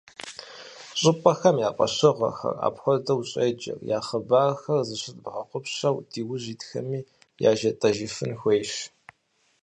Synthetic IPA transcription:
ɕʼɪpʼɐxɐmjaːqʷʼɐ̰ɕɨʁɐ̰xɐ̰ra̰ːpxʷɔdɐwɕʼejd͡ʒɐ̰rjaːχəbaːrxɐrzɨɕɪtʼbʁɐqʷʊpɕɐwdiːwʊʑiːtxɐ̰miː | ja̰ːʒɐtʼɐʒɪfɨnxʷejɕ

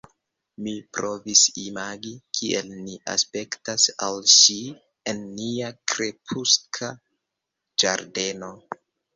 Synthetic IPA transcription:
mipɾo̞visimaɡikʰiʔelniʔa̰spe̞ktasalʃi | enːiakɾe̞pʰuskʰa | d͡ʒaɾde̞no̞

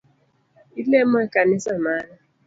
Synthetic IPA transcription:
ilemekanɪsamala

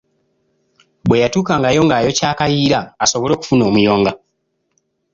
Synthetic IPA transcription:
bwe̞jatuːkaːŋɡajo̞ːŋɡaːjo̞caːkajiːɾaːso̞βolo̞ːku̥funo̞ːmujo̞ːŋɡa

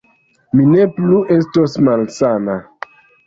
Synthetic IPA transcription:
minepluʔe̞stosmalsana

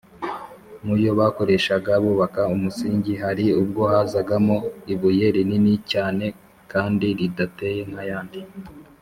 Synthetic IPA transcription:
mujo̞βako̞ɾe̞ːʃaɡaβuːβakaumusiːɲɟiɦaɾiub̚ɡo̞hazaɡamoiβuje̞ɾininicaːne̞ | kaːndiɾidate̞je̞ŋ̥hajaːndi

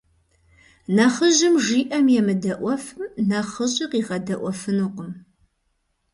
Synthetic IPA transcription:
nɐχəʑɪmʒiːʔɐmjɛmɨdɐʔʷɔfɨmnɐχəʑʼɪqiːʁɐdɐʔʷɔfɨnuqʷʊm

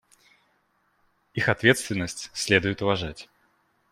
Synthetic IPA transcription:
ixɐt̪vʲe̞t̪st̪vʲɪnːəsʲtʲsʲlʲe̞d̪ʊjɪt̪ʊvɐʐatʲ

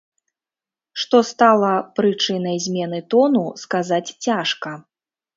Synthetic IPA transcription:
ʂt̪ɔst̪alˠɐpɾɨt͡ʂɨnɐjzʲmʲɛn̪ɨt̪ɔnuskazat͡sʲt͡sʲaʂkɐ

